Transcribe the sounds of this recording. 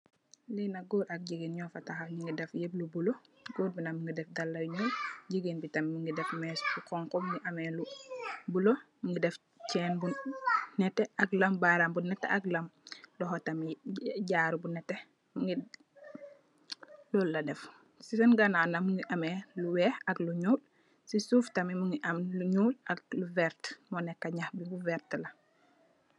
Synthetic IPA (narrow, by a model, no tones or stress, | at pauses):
linaɡoːɾɐk̚ɟiɡinɲɔfataxaɲiŋɡidɛfjeblubuloɡoːd̚binamiŋɡidɛfdalːaɲɔɟiɡinbitɐmmiŋɡidɛfmɛsbukɔŋkɔmuŋɡiʔɐmɛlubulomiŋɡidɛf | cɛːnbunnɛtɛʔaklɐmbaɾambunːɛtːɛ̰ʔaklɐmlɔɦɔtamiɟaːɾubunɛtːɛ | muŋɡi | lɔlːɐdɛf | sisɛnɡananamuŋɡiʔɐmeluwɛːhɐkluɲuːl | sisuːftɐmimuŋɡiʔɐmluɲuːlɐk̚luvɛɾtmɔnɛkːaɲaxbiɡuvɛɾtlɐ